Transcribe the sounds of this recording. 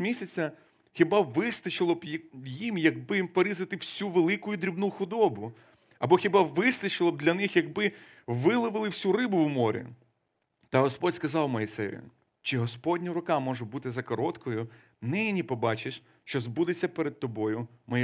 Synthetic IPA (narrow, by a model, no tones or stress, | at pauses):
mʲisʲɐt͡sʲːɐ | xʲibɑʋɪst̪ɐt͡ʃɪlˠɔbjjimjɐɡ̚bɪpɔɾʲizɐt̪ɪwsʲuʋelˠɪkʊjʊd̪ɾʲibnuxʊd̪ɔbʊ | ɐbɔxʲibaʋɪst̪ɐt͡ʃɪlˠɔb̚d̪lʲɐnɪxjɐɡbɪ | ʋɪlˠɪʋɪlˠɪwsʲurɪbʊwmɔɾʲḭ | t̪ɐɦɔspɔdʲskɐzɑwmɔjisɛjʊ̰ | t͡ʃɪɦɔspɔdʲnʲiɾʊkɑmɔʒʊbut̪ɪzɐkɔɾɔt̪kɔjʊ | nɪnʲipɔbɑt͡ʃɪʃ | ʃt͡ʃɔzbud̪et͡sʲːɐpeɾed̪̚t̪ɔbɔjʊmɔ